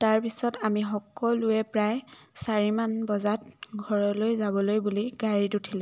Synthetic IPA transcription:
taɹpisɔtamiɦɔkːɔlʊjɛpɹaj | saɹimanbɔzatɡʱɔɹɔlojzaβɔlojbuliɡaɹidutʰilʊ̃

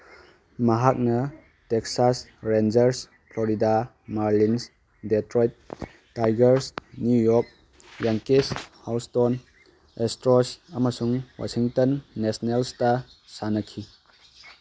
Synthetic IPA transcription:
mɐɦak̚nɐ | teksasɾend͡ʒɐɾs | pʰlɔɾida | maɾlins | detɾojt̚ː | ajɡɐɾsnjujɔk̚ | jaŋkeshawston | estɾɔsɐmɐsuŋwa̰siŋtɔnːesnelstɐ | sanɐkʰi

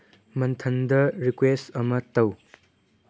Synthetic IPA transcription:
mɐnt̪ʰɐndɐɾikwesɐmɐtɐw

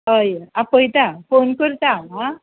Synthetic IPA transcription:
ɦəjapəjt̪afonkəɾt̪aɦã

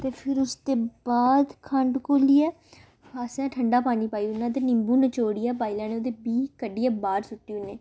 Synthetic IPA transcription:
t̪eːpʰɪɾʊst̪eːbaːd̪kʰəɳɖkoːliːɛː | aːsjãːʈʰəɳɖaːpaːniːpaːiːʊnːãːt̪̬eːnɪ̃mbuːnət͡ʃoːɽiːɛːbaːilãːneːoːd̪eːbiːkəɖiːɛːbaːɾsʊʈːiːʊnːeː

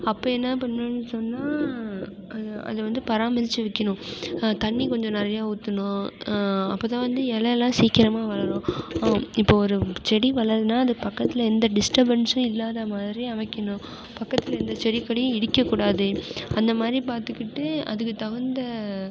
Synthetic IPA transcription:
ɐpːoːɛnːɐpɐnːɯnːɯsɔnːaː | ɐɐ̰ðɯʋɐnd̪ɯpɐɾaːmɐsɪt͡ʃːɯʋɪkːɐɳʊ̃t̪ɐɳːikɔɲd͡ʒɔ̃nɛɾɐjaːut̪ːɯnʊ̃ | ɐpːoːt̪ãːʋɐnd̪ɯɛlɐɛlːãːsiːkːɪɾɐmaːʋɐɭɐɾʊ̃ː | ɪpːoːɔɾɯt͡ʃɛɽiʋɐɭɐɾðɯnːaːɐðɯpɐkːɐt̪ːɪlɐɛnd̪ɐɖɪsʈɐbɐɳsʊ̃ɪlːaːðɐmaːðɪɾiɐʋɐkːɐnʊ̃ | pɐkːɐt̪ːɪlɐɛnd̪ɐt͡ʃɛɽɪkːɐɽɪjʊ̃ɪɽɪkːɐkːuːɽaːðɯɐnd̪ɐmaːd̪ɾipaːɾt̪ɯkːɪʈːɯɐ̰ðɯkːɯt̪ɐɣɐnd̪ɐ

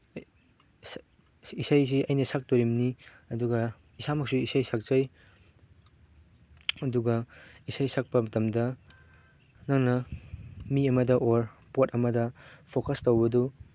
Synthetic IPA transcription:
isajziʔɐjnɐsak̚toɾimniɐduɡɐ | isamɐk̚suisajsak̚zɐj | ɐduɡɐisajsak̚pɐmɐtɐmdɐ | nɐŋnɐ | miɐmɐdɐʔoɾpotɐmɐdɐpʰokɐstowbɐdu

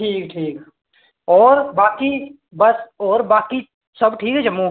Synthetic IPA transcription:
ʈʰiːkʈʰiːk | ɔːɾbaːki | bɐsɔːɾbaːki | sɐbʈʰiːkɦɛd͡ʒɐmːu

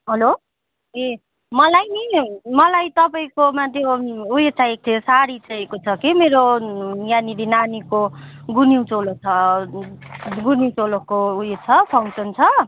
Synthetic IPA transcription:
ɦʌlo | e | mʌlajnimʌlajt̪ʌpaĩkomat̪joujet͡sʰaek̚t̪ʰesaɾit͡saekot͡sʰʌkimeɾojaniɾinaniko | ɡuniwt͡solot͡sʰʌ | ɡuniwt͡solokoujet͡sʰʌpʰaw̃sʌnt͡sʰʌ

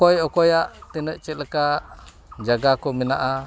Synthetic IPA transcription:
kɔjɔkɔjaʔt̪inəʔt͡ʃɛləka | d͡ʒaɡakɔminaʔa

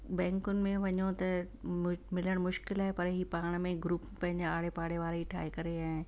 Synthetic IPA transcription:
bɛ̃ːŋkʊnɪ̆mẽʋɐɲõt̪ɐ | mɪləɽ̃mʊʃkɪlɦɛːpɐɾɦipaːɽ̃mẽɡɾuːppɐ̃ɦɪ̃ɲd͡ʑeaːɽepaːɽeʋaːleɦiʈʰa̰ːekɐɾeaː

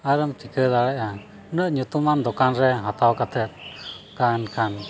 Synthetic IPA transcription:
aɾəmt̪ikəd̪alɛʔa | nəʔɲut̪umand̪ɔkanɾɛɦat̪awkat̪ʰɛt̪̚kaɛnkʰan

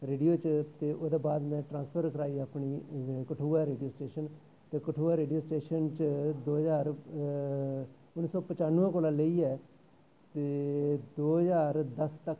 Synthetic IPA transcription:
ɾeːɖijoːt͡ʃt̪eːʔoːd̪eːbaːd̪mɛ̃ːʈɾãːspʰəɾkəɾaːiːaːpɳiːkəʈʰuːaɾeːɖijoːsʈeːʃən | t̪eːkəʈʰuːaːɾeːɖijoːsʈeːʃənt͡ʃd̪oːɦəzaːɾ | ʊnːisɔːpət͡ʃaːnːuɛ̃ːkoːlaːləiːɛː | t̪eːd̪oːɦɦəzaːɾd̪əst̪ək

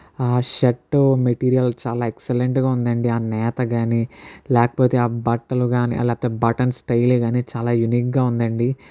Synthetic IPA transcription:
aːʃɐʈːumeʈiːɾijɐlt͡ʃaːlaːekseleɳʈɡaːund̪ɐɳɖiaːnɛːt̪ɐɡaːnilɛːkɐ̥po̞ːt̪eːaːbɐʈːɐluɡaːnḭʔɐ̰lɛːkpɐt̪eːbɐʈɐnsʈɐjlːɡaːniːt͡ʃaːlaːjuniːk̚ɡaːund̪ɐɳɖi

